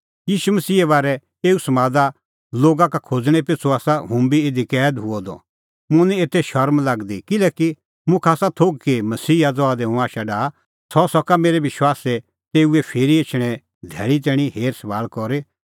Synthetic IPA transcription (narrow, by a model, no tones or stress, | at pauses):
jiːʃumɐsiːɛβaːɾɛ | eːusɐmãːd̪a | loːɡakakʰoːd͡zɽ̃ɛ̃p̬ɪt͡sʰuaːsaɦʊ̃mbiɪd̪ʱikɛːd̪ɦʊɔd̪ɔ̰ | mʊ̃nĩeːt̪ʰːɛʃɐɾmlaɡd̪ikɪlɛːki | mʊ̃kʰaːsat̪ʰoːɡ̚kemɐsiːad͡zɔaːd̪ɛɦʊ̃aːʃaɖaː | sɔsɔkameːɾɛʋɪʃwaːsɛ | t̪eːuɛpʰeːɾiet͡ʃʰɽ̃ɛ | d̪ʱɛːɭit̪̬ɛːɽ̃iɦeːɾsɐʋaːlkɔɾe